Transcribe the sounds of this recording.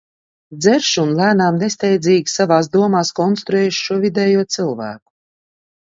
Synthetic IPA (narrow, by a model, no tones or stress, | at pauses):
d̪zɛɾʃunlˠæːnaːmnest̪ɛjd̪zʲiːɡʲisavaːs̬d̪uɔmaːskɔnst̪ɾuɛːjʃʃuɔvʲid̪ɛːjuɔt̪sɨlˠvæ̰ːku̥